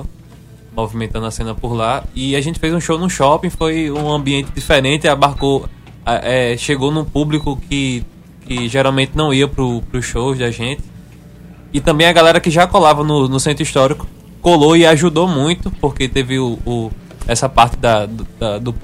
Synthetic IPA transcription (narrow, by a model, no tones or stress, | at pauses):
movimẽnt̪ɐ̃nd̪ʊasẽnɐpoɾlaiaʒẽnt̪ɪ̥fejzũʃownũʃɔpĩfojũɐ̃biẽnt̪ɪd̪ifɛɾẽt̪ɪabaɾkow | ɛʔɛʃeɡownũpublikʊkʰɪ | kɪʒɛɾawmẽnt̪ɪnɐ̃w̃iɐpɾʊpɾʊsʃowʃd̪aʒẽt̪ɪ̥ | ɪt̪ɐ̃mbẽj̃ɐɡalɛɾɐkɪʒakɔlavɐnʊnʊsẽnt̪ɾʊiʃt̪ɔɾikʊ̥ | koloiaʒud̪omũj̃t̪ʊpohket̪evɪʊː | ɛsɐpaht̪ɪd̪ɐd̪d̪ɐd̪ʊp